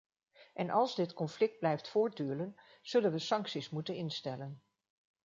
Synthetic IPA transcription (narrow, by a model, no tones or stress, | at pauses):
ʔɛnʔɑlˠzdɪtkɔnflɪk̚d̚blɛjftfʊːɹt̚dyːlən | z̥ɵlənʋəsɑŋksismutənɪnstɛlən